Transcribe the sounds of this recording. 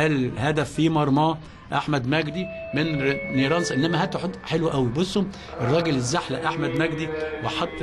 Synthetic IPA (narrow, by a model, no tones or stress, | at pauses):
ælhæd̪æfːimɑɾˤmɑː | ʔaħmæd̪mæɡd̪i | menniːɾˤɑnsˤɑʔenːæmæhæt̪ːħot̪ːħelwæʔæwibosˤːom | ʔerˤːɑːɡelezːaħlæʔaħmæd̪mæɡd̪iweħɑt̪ˤː